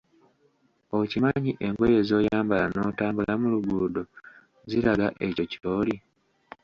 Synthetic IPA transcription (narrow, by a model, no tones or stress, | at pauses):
ocimaɲiʔe̞ŋɡoje̞zo̞ːjaːmbalano̞ːtaːmbulamuluɡuːdo | zilaɡaʔe̞co̞cio̞ːli